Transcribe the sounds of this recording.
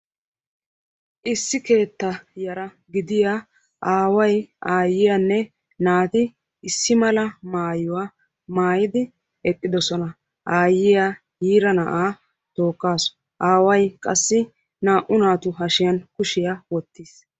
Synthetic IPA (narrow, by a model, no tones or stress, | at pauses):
ʔɪsːɪke̞ːt̪ːɐjɐɾɐ | ɡɪd̪ɪja | ʔaːwɐjʔaːjːɪjanːɛ | naːt̪ɪː | sːɪmɐlɐmaːjʊwa | maːjɪd̪ɪ | ɛkʼːɪd̪ɔsɔnɐ | ʔaːjːɪja | jiːɾɐnɐʔaː | t̪o̞ːkːaːsɔ̥ | ʔaːwɐjkʼɐsːɪ | naːʔʊnaːt̪ʊɦɐʃɪjɐnkʊʃɪjawɔt̪ːɪːs